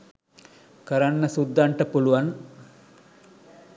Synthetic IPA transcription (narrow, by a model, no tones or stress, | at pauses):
kəɾanːəsud̪ːaɳʈəpuluʋan